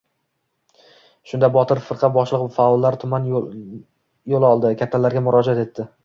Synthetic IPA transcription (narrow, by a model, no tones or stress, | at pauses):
ʃʊnd̪abɒt̪ʰɪɾfɨɾqʰɑbɒʃlˠɨqfaɒlːaɾt̪ʰʊman | jolˠɒlˠd̪ɪkʲʰat̪ʰːalaɾɡʲamʊɾɒd͡ʒat̪e̞t̪ʰːɪ